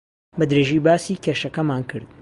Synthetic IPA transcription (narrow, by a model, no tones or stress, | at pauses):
bɐd̪ɾeːʒiːbaːsiːkʲʰeːʃɐkɐmaːnkʰɨ̰ɾd̪̥̚